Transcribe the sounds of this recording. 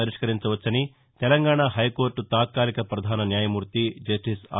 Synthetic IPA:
ɐɾiʂkɐɾiɲt͡ʃɐʋɐt͡ʃːɐni | t̪ɛlɐŋɡaːɳɐɦɐjkoːɾʈut̪aːt̪̚kaːlikɐpɾɐd̪ʱaːnɐnjaːjɐmuːɾt̪id͡ʒɐsʈisa̰

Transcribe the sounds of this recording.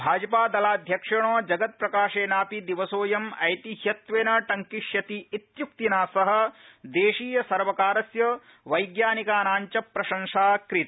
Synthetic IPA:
bʱaːd͡ʒɐpaːd̪ɐlaːd̪ʱjɐkʂɐɳ̃oːd͡ʒɐɡɐt̪̚pɾɐkaːʃeːnaːpid̪iʋɐsoːjɐmɐjt̪iɦjɐt̪ʋeːnɐʈɐŋkiʃjɐt̪iːt̪juk̚t̪inaːsɐɦɐ̆d̪eːʂiːjɐsɐɾʋɐkaːɾɐsjɐ | ʋɐjɡjaːnikaːnaːɲt͡ʃɐpɾɐʃɐŋʂaːkɾit̪

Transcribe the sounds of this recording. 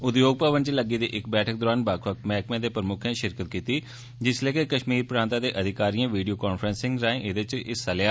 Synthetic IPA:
ʊd̪joːɡ̚pəːʋənt͡ʃləɡiːd̪ḭːʔɪkbɛːʈʰəkd̪ɔːɾaːnbaːkʰʋək̪̚mɛːkmẽːd̪eːpɾəmʊkʰãːʃɪɾkət̪̚kiːt̪iː | d͡ʒɪsleːkekəʃmiːɾpɾãːnt̪ãːd̪eːʔəd̪ʱɪkaːɾiːãːʋiːɖijoːkaːnfʰɾənsɪ̃ŋɡɾaːẽːʔɪd̪et͡ʃɪsəljaː

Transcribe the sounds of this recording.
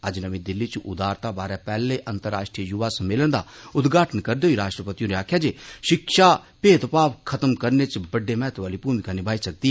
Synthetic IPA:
ɐd͡ʒnəʋẽd̪ɪlːit͡ʃuʔʊd̪aːɾt̪abaːɾɛpɛːleʔɐnt̪əɾːa̰ːʃʈɾijəjʊʋasɐ̃meːləñd̪aʊd̪ɡaːʈʰənkɐɾd̪eoːiɾaːʃʈɾəpət̪ijũneaːkʰjad͡ʒeʃɪkʃapeːt̪paːʋkʰɐt̪əmkɐɾnet͡ʃbɐɖːemɛːət̪ʋaːlipuːmikanibʱaːisɐk̚d̪iɦɛː

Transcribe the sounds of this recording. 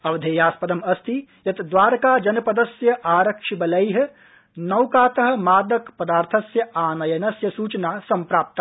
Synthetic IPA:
ɐʋd̪ʱeːjaːspɐd̪ɐmɐst̪ʰijɐt̪d̪ʋaːɾkaːd͡ʒɐnpɐd̪ɐsjɐʔaːɾɐkʂibɐlɐjɦ̆ | nɐwkaːt̪ɐɦɐ̆maːd̪ɐkpɐd̪aːɾt̪ʰɐsjɐaːnɐjɐnɐsjɐsuːt͡ʃnaːsɐmpɾaːp̚t̪

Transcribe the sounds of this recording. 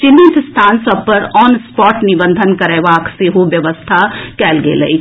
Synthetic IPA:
t͡ʃɪnːit̪st̪ʰaːnsɐbpəɾɔːnspɔːʈnɪʋə̃nd̪ʱənkɐɾɛːʋaːkseɦoʋjɐʋəst̪ʰakɛːlɡḛlɐ̰i

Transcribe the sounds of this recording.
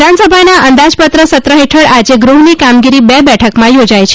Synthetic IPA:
d̪ʱansəbʱanaʔənd̪ad͡ʒpət̪ɾəsət̪ɾəɦeʈʰəɭad͡ʒeɡɾuɦnikamɡiɾibɛbɛʈʰəkmãjod͡ʒajt͡ʃʰ

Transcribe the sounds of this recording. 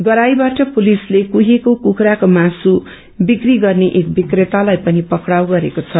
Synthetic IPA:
ɡʌɾajbaʈʌpulislekuɦekokukɾakomasu | bikriɡʌrneʔek̚bikret̪alajpʌnipʌkɽawɡʌɾekot͡sʰʌ

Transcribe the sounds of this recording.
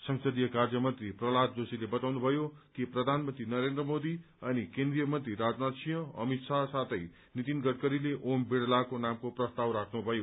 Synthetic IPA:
sʌŋsʌd̪ijʌkard͡zjʌmʌnt̪riprʌlat̪̚d͡zosilebʌt̪awnubʱʌjokiprʌd̪ʱanmʌnt̪rinʌɾend̪rʌmod̪i | ʌnikend̪rijʌmʌnt̪ɾiɾad͡znat̪sʰijʌ̃ʌ̰mit̪sʰasat̪ʰʌj | nit̪inɡʌʈkʌɾileʔombeɽlakonamkoprʌst̪awɾakʰnubʱʌjo

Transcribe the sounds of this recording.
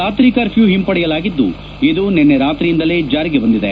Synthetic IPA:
aːt̪ɾiːkɐɾpʰjuːɦimpɐɽɛjɐlaːɡid̪ːṵ | id̪unenːeɾaːt̪ɾijind̪ɐled͡ʒaːɾiɡebɐnd̪id̪e

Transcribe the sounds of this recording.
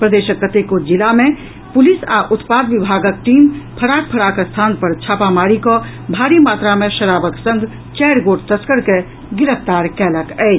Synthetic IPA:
pɾəd̪eʃəkːət̪ekod͡ʒilamẽ | pʊlisa̰ʔʊt̪paːd̪ʋibʱaːɡək̚ʈiːmpʰəɽak̚pʰəɽakəst̪ʰaːnpəɾt͡ʃʰaːpamaɾikɔ | bʱaːɾimaːt̪ɾamẽʃəɾaːbəksə̃ŋɡʱ | t͡ʃɛɾɡoːɽt̪əskəɾke | ɡɪɾəft̪aːɾkɛːləkɛɪ

